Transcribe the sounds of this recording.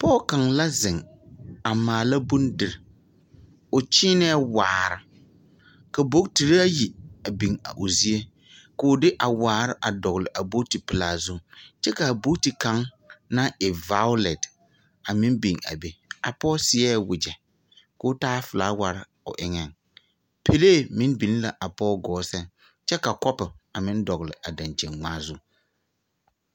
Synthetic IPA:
pɔ˦ka˨ŋla˦zɪ˨ŋ | a˨maː˨la˦bʊ˦ndɪ˨ɾɪ˨ | ʊ˨t͡ʃɪː˦nɛ˦waː˨ɾɪ˨ | ka˨bo˦kti˨ɾi˦a˦ji˨a˨bi˨ŋa̰˨ʔʊ˨zi˦e˦ | kʊ˨ʊ˦dɪ˦ʔa˨waː˨ɾɪ˦ʔa˨dɔ˨ɣlɪ˨ʔa˨bo˦ti˨pɪ˨laː˨zʊ˦t͡ʃɛ˦ka˨a˨bo˦ti˨kã˨˦ŋ | na˦ɪ˨va˦ʊ˦lɛ˨d | a˨mɪ̃˦nbi˨ŋa̰˨be˦a˨pɔː˦sɪ˨˦ɛ˦˨wʊ˨d͡ʒɛ˨ | kʊː˦taː˦fɪ˨laː˨˦wa˨ɾɪ˦ | ʊ̰˨ʔɪ˦ŋɛ˦˨ŋ | pʰe˦leː˦˨mɪ˦nbi˨n˦la˨ʔa˨pɔː˦ɡɔː˨˦sɛ˦ŋ | t͡ʃɛ˦ka˨kɔ˦pɪ˨a˨mɪ̃˦n˦dɔ˨ɣlɪ˨ʔa˨dã˨nt͡ʃɛ˨nŋ͡maː˦zʊ˦

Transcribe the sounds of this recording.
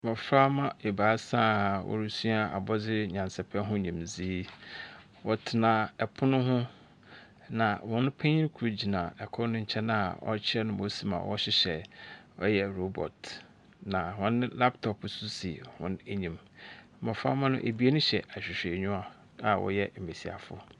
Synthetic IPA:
mɔ̃˨fɾa˦mã˦e˨baː˨˦sã˦wʔɔ̰˦ɾu˦su˦a˦˨ʔa̰˨bɔ˦d͡zɪ˦ɲã˨nsɛ˨pʰɛ̃˦ɦʊ̃˦ɲĩ˨mziː˦ | wɔ˨tʰɪ˨nã˨ɛ˨pʰʊ˦nʊ̃˦ɦʊ̃˦ | nã˨wɔ̃˦nʊ̃˦pʰɛ̃˦ɲĩ˦kʰu˨ɾo˨d͡ʑi˨nã˨ɛ˨kʰɔ˦nʊ̃˦ɲ̩˨t͡ɕʰɛ˦na˦˨ɔ̰˦t͡ɕʰɪ˦ɛ˦nʊ̃˦mo˨si˦mã̰˨wɔ˦ɕɪ˦ɕɛ˨ | ɔ˦jɛ˦ɾo˦bɔ̰˨t | nã˨hɔ̃˦nɪ̃˦la˦ptʰɔ˨pʰsu˦si˨hɔ̰̃˦ne˦ɲĩ˨m˦ | mã˨fa̰˦mã˦nʊ̃˦ʔe˨bi˦e˦nʊ̃˦ɕɛ˨a˨ɕᶣɪ˨ɕᶣɛ˨ɲʊ̃˦a˨ | a˨wɔ̰˦jɛ˦m̩˨e˨si˨a̰˨fʊ̰˦

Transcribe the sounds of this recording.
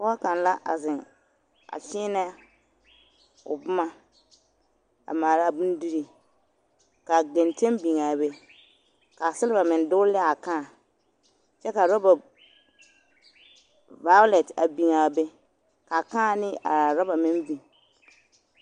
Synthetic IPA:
bɔ˦a˦ka˨nla˦ʔa̰˨zɪ˨ŋ | a̰˨fɪː˦nɛ˦ | ʊ̰˨bʊ˦ma˦ | a̰˨maː˨la˦˨bu˦n˦di˦ɾi˨ | ka˨ɡɛ˨nte˦mbi˨ŋaː˨be˦ | ka˨sɪ˦lɪ˦ba˨mɪ˨n˦dʊ˦lɛ˦a˨kaː˦˨ | t͡ʃɛ˦ka˨ɾɔ˦ba˨ | va˨˦ʊ˦lɛ˨ta̰˨bi˨ŋa˨be˦ | ka˨kaː˦˨nɪ˦a̰˨ɾɔ˦ba˨mɪ˦nbi˨

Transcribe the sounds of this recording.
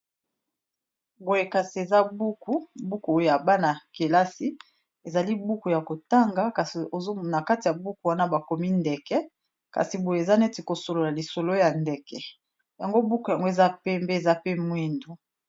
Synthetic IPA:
bo˨je˨ka˨si˨e˨za˦bu˦ku˦bu˦ku˨o˦jja˨ba˦na˨ke˨la˦si˦ | e˨za˨li˦bu˦ku˨ja˨ko˨ta˦ŋɡa˦ka˨si˨o˨zo˦˨na˨ka˦ti˨ja˨bu˦ku˨wa˦na˦ba˨ko˨mi˦ndɛ˨kɛ˦ | ka̰˨si˨bo˨je˨e˨za˦nɛ˦ti˨ko˨so˨lo˨la˨li˨so˨lo˦ja˨ndɛ˨kɛ˨ | ja˨ŋɡo˦bu˦ku˨ja˨ŋɡo˦e˨za˦pe˦mbe˦e˨za˦pe˦mwi˦ndu˨

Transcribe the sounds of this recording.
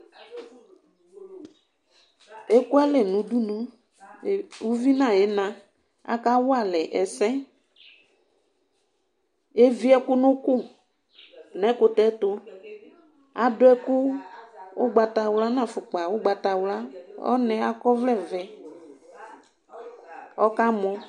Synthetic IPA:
e˦kʊ˦a˦lɛ˨nũ˨du˦nũ˨ | wu˦vi˦nã˨ɛ˨˦nã˨ | a̰˨ka˦wʊ˦a˦˨lɛ˨ʔɛ˨sɛ̃˦ | e˦vi˦ɛ˦kʊ˦nʊ̃˦kʊ˦˨ | nɛ̃˨˦kʊ˦tɛ˦tʊ˦ | a˨dʊ˦ɛ˦kʊ˦ | ʊ˦ɡ͡ba˨ta˨wla˦nã˨fʊ˨k͡pa˨wʊ˦ɡ͡ba˨ta˨wla˦ɔ̰˦nɛ̃˨a˦kɔ˦vlɛ˦˨vɛ˨ | ɔ˦ka˦mɔ˦

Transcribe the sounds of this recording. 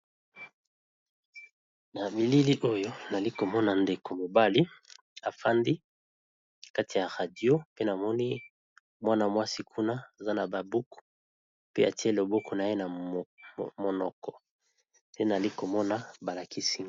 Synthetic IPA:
na˨bi˨li˦li˦ʔo˦jo˦na˨li˦ko˨mɔ˦na˨nde˨ko˨mo˨ba˦li˦ | a˨fa˦ndi˦ | ka˦ti˨ja˨ʁa˨di˨o˦pe˦na˨mɔ˦ni˦ | mwa˦na˨mwa˦si˦kʰu˦na˦a˨za˦na˨ba˨bu˦ku̥˨ | pe˦a˨ti˦e˦lo˨bɔ˦kɔ˨na˨je˦na˨ | mo˨nɔ˨kɔ˨ | pe˦na˨li˦ko˨mɔ˦na˦ba˨la˨ki˦si˦

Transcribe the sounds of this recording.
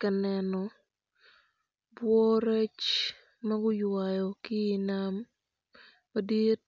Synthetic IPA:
ka˨nɛ˨nɔ˨ | bwɔ˦ɾe˦t͡ʃ | ma˦ɡʊ˦jwa˨jɔ˨kɪ˦˨nam | ɐ˦di˦t̚

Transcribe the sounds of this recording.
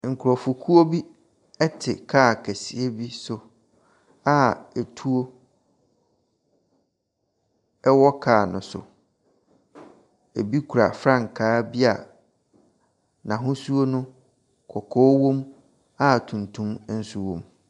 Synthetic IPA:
ŋ̩˨kʰʊ˨ɾɔ˨fu˨kʰu˦o˦bi˦ | ɛ˦tʰɪ˨kʰaː˦˨kʰæ˨si˨e˦bi˦sʊ˨ | a˦e˨tʰu˦o˦ | ɛ˦wɔ˦kʰaː˨nʊ̰̃˨sʊ̰˨ | e˨bi˦kʰu˨ɾa̰˨fɾã˦˨ŋ̩˨kʰaː˦bi˦a̰˨ | nã˨ɦʊ̃˦su˦o˦nʊ̃˦ | kʰɔ˨kʰɔː˦wõ˦m | a˦˨tʰũ˨ntʰũ˦m˦n̩˦su˦wõ˦m

